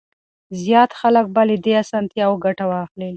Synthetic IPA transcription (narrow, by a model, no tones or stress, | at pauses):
zjɑt̪xalək̚baled̪easɑnt̪jɑwɡaʈawɑxle